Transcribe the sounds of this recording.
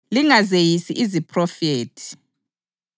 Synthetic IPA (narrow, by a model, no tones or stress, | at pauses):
liŋazejisiʔizipʰʼrɔfeːtʼʰi̥